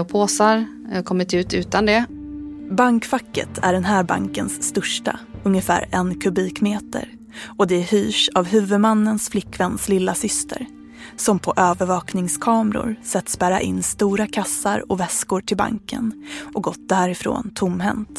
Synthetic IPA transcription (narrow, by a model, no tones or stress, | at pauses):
ɔpʰoːsaɾ | kʰɔmːɪt̪ʉ̟ːt̪ʉ̟ːt̪and̪ɛ | baŋkfakːə̰t̪ʰæ̰ɖɛnɦæːɾba̰ŋkənsːt̪œʂʈa̰ɵŋjəfæ̰ːɾɛnkʰɵbiːkmeːt̪ə̰ɾ | ɔd̪ɛhyːʂavɦʉ̟ːvɵd̪manːənsflɪkːvɛnslɪlːasʏst̪ʰə̰ɾ | sɔmpʰɔʔøːvəɾvɑːknɪŋskʰɑːmɾʊ̰ɾsɛt̪ːsbæːɾa̰ʔɪnːst̪uːɾakʰasːaɾɔvɛskʊɾʈʰɪlba̰ŋkə̰nʔɔɡɔt̪̚d̪æːɾɪfɾo̰ːnt̪ʰʊmːɦɛ̰nt̪